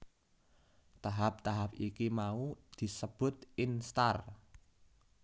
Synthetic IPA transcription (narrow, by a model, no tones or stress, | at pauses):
t̪aɦap̚t̪aɦap̚ikimaud̪̥i̤səb̥ʊ̤t̪ɪnst̪ar